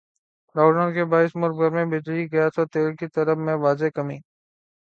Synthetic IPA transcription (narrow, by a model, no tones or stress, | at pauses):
ɾaːɖãkebaːɪsmʊɾbɡəɾmẽbɪd͡ʒliɡɐjaːt̪ʰot̪eːlkit̪əɾəfmẽʋaːzekəmĩː